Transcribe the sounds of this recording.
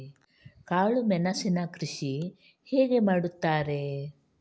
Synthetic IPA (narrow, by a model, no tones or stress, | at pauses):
kaːɭumɛnɐsinɐkɾiʃi | heːɡe̞maːɽut̪ːaːɾe̞